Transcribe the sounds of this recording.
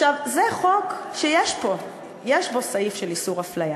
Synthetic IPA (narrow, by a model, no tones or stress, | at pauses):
aχʃavzeχo̞kʃejeʃbo̞ | jeʃbo̞saifʃelisuʁaflaja